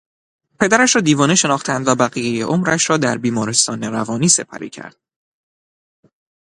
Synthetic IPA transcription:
pʰe̞d̪æɾæʃɾɒːd̪iːvɒːne̞ʃe̞nɒːxt̪eænd̪væbæɣijejeʔomɾæʃɾɒːd̪æ̰ɾbiːmɒːɾe̞st̪ɒːneɾævɒːniːse̞pʰæ̰ɾḭːcʰæ̰ɾd̪̥

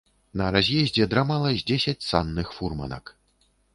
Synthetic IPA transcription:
nɐɾazʲjɛzʲd͡zʲɛd̪ɾamalˠɐzʲd͡zʲesʲɐt͡sʲsanːɨxfurmɐ̰nɐ̰k

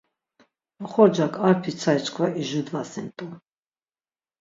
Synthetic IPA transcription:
χɔɾd͡ʒakʰʼaɾpʰit͡s̪ʰajt͡ʃkʰvaiʒud̪vasɛnt̪ʼu

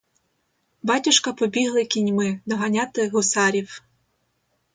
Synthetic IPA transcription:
bɑtʲʊʃkɐpɔbʲiɦlˠɪkʲinʲmɪd̪ɔɦɐnʲɑt̪ɪɦʊsɑɾʲiw

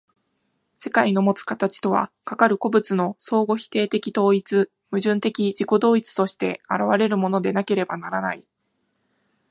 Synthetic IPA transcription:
se̞kaino̞mo̞t͡sɨ̥kat̪at͡ɕi̥t̪o̞β̞a̰kakaɾɯ̟ko̞bɯ̟t͡sɨno̞so̞ːɡo̞çi̥t̪e̞ːt̪e̞kʲit̪o̞ːit͡sɨ | mɯ̟ʑɨ̃nt̪e̞kʲid͡ʑiko̞d̪o̞ːit͡sɨ̥t̪o̞ɕi̥t̪e̞aɾaβ̞aɾe̞ɾɯ̟mo̞no̞d̪e̞nake̞ɾe̞banaɾana̰i

